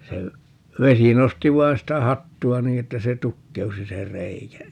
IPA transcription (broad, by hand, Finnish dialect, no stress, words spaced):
se ʋesi nosti ʋɑi̯n sitæ hɑtːuɑ niː etːæ se tukːeusi se rˑeikæ